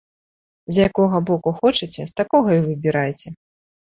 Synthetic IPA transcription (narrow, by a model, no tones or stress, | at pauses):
zʲjakɔɣɐbɔkuxɔt͡ʂɨt͡sʲɛst̪akɔɣɐivɨbʲiɾajt͡sʲɛ